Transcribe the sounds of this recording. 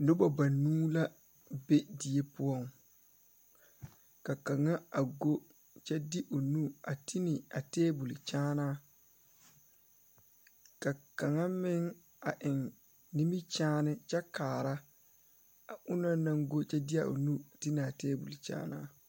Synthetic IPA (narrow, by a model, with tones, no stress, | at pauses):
nʊ˦ba˨ba˨nuː˦la˦ | be˦di˨e˦pʊ˦ɔ˦˨ŋ | ka˨ka˨ŋa˦a˨ɡo˦ | t͡ʃɛ˦dɪ˦ʔo˨nu˦a˨ti˦nɪ˨a˨teː˦bu˨li˨t͡ʃaː˦naː˦ | ka˨ka˨ŋa˦mɪ˦ŋ | a˨ʔɪ˨ŋ | ni˦mi˦t͡ʃaː˦nɪ˦t͡ʃɛ˦kaː˨ɾa˦ | a˨ʔʊ˦na˦na˦ŋɡo˦t͡ʃɛ˦dɪ˦a̰˨ʔo̰˨nu˦a˨ti˦ni˨a˨teː˦bu˨li˨t͡ʃa̰ː˦naː˦